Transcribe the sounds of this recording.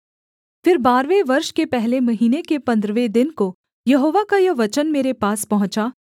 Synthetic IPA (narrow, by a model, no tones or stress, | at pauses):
fɪɾbaːɾʋeʋɐɾʃkepɛɦlemɐɦiːnekepɐ̃nd̪ɾʋed̪ɪnko | jɐɦoːʋakajɐʋɐt͡ʃənmeːɾepaːspɐɦʊ̃t͡ʃaː